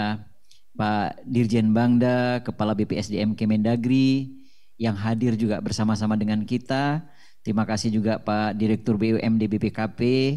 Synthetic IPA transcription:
padird͡ʒɛnbaŋdakəpalabepeɛsdeɛmkemɛndaɡɾi | jaŋɦadɪrd͡ʒuɡabərsamasamadəŋankit̪a | t̪ɾimakasɪhd͡ʒuɡapadiɾɛk̚t̪ʊrbeuʔɛmdebepekape

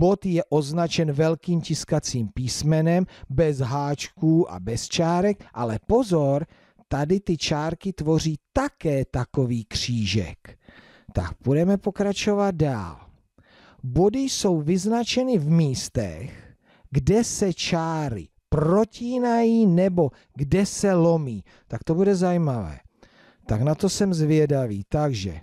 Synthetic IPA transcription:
bo̞t̪jɛʔo̞znat͡ʃɛnvɛlkiːmcɪskat͡siːmpiːsmɛnɛmbɛzɦaːt͡ʃkuːʔa̰bɛst͡ʃaːɾɛk̚ʔalɛpo̞zoɾ | t̪adɪt̪ɪt͡ʃaːɾkɪt̪vo̞r̝iːt̪akɛːt̪ako̞viːkr̝̥iːʒɛ̰k | t̪a̰k̚budɛmɛpo̞kɾat͡ʃo̞vat̪̚da̰ːl | bo̞dɪjso̞wvɪznat͡ʃɛnɪvmiːst̪ɛ̰x | ɡdɛsɛt͡ʃaːɾɪ̰ | pɾo̞ciːnajiːnɛbo̞ | ɡdɛsɛlo̞miː | t̪ak̚t̪o̞budɛzajimavɛ̰ː | t̪aknat̪o̞sɛmzvɪɛdaviːt̪aɡʒɛ̰

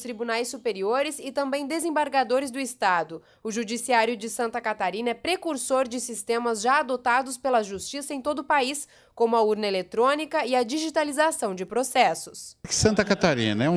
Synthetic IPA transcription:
st̪ɾibunajsːupeɾioɾɪsɪt̪ɐ̃mbẽj̃d̪ezẽbaɾɡad̪oɾɪzd̪ʊɪst̪ad̪ʊ | ʊʒud͡ʒisiaɾjʊd͡ʒɪsɐ̃nt̪ɐkat̪aɾĩnɐɛpɾekuɾsoɾd͡ʒɪsist̪ẽmɐzʒaːd̪ot̪ad̪ʊspelɐʒust͡ʃisɐẽj̃t̪od̪ʊpais | kõmʊɐuɾnɐelet̪ɾõnikɐɪɐd͡ʒiʒit̪alizasɐ̃w̃d͡ʒɪpɾosɛsʊskɪ̥sɐ̃nt̪ɐkat̪aɾḭ̃nɐɛ̃

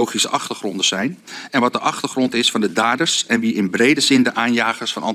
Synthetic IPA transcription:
owχisəʔɑχtəɹχrɔndəz̥ɛjnɛnʋɑt̚dəʔɑχtəɹχrɔntɪsfɑndədaːdəɹsɛnʋiʔɪnbrejdəzɪndəʔaːnjaːχəɹsfɑnɑ̰

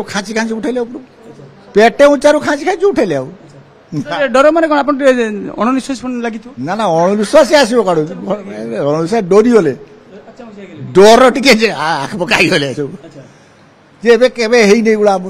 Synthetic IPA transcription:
kʰãt͡ʃikʰãt͡ʃiuʈʰaleawpɔɾu | peʈeũt͡ʃaɾukʰãt͡ʃikʰãnt͡ʃiuʈʰaleaw | ɖɔɾɔmanekɔɽ̃ap̬ɔnʈiɔ̰ɽ̃ɔnisɔsʰpɔnlaɡit̪ʰnanaɔɽ̃ɔnisɔsias̬ibɔkaɽu | ɔɽ̃ɔnisaɖoɾiɦole | ɖɔɾɔʈiked͡ʒeaakʰpɔkaiɦolese | d͡ʒebekebeɦejnejɡuɽaːmu

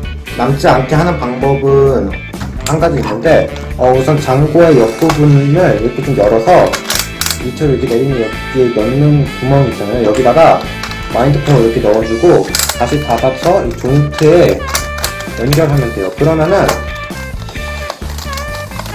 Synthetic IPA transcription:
namt͡ɕ͈iankʰe̞ɦanɯnpaŋbʌbɯn | haŋɡad͡ʑɯinːɯnde̞ | ʌusʰʌnt͡ɕaŋɡoe̞jʌk̚kp͈ubunnɯɭiɭk͈ʰet͡ɕ͈ʰɯmjʌɾʌsʰʌ | it͡ɕʰʌɾɯɭikʰene̞ɾinɯnjʌk̚k͈ienʌnːɯnkumʌŋip̚s͈aŋejojʌɡidaɡa | maindɯpʰomʌiɾʌkʰe̞nʌʌd͡ʑiɡotaɕʰitabat͡ɕʰʌit͡ɕoŋtʰeː | ʌnɡjʌɭɦanɯndejokɯɾʌmanɯn

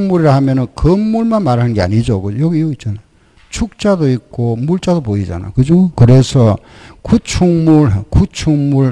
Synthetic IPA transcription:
ŋmuɾiɾahamjʌnɯnkʌmːuɭmanmaɾɦanɯnɡea̰ɲid͡ʑokɯjʌɡiiuit̚t͡ɕ͈anaj | t͡ɕʰuk̚t͡ɕ͈adoik̚k͈omuɭt͡ɕ͈adopoid͡ʑa̰na̰jokɯd͡ʑokɯɾe̞sʰʌ | kut͡ɕʰuŋmuɾkut͡ɕʰuŋmuɭ

